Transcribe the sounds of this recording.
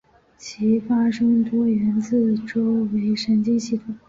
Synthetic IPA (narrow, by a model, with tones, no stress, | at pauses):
t͡ɕʰi˧˥fa˥ʂɤ˥ŋt̪wɔ˥ɥɛ˧˥nt͡sɹ̩˥˩ʈ͡ʂo˥ʊwe˧˥ɪʂə˧˥nt͡ɕi˥ɕi˥˩t̪ʰʊ˨˩˦ŋ